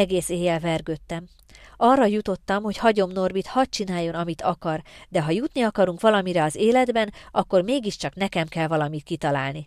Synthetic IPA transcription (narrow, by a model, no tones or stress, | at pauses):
ɛɡeːseːjɛlvɛrɡøt̪ːɛm | ɒrːɒjut̪o̞t̪ːɒmho̞chɒɟo̞mno̞rbit̪hɒt̚t͡ʃinaːjːo̞nɒmit̪ɒkɒrd̪ɛɦɒjut̪niɒkɒɾuŋkʋɒlɒmiɾɛɒzeːlɛd̪bɛnʔɒkːo̞rmeːɡiʃt͡ʃɒkn̪ɛkɛmkɛlvɒlɒmit̪kit̪ɒlaːlni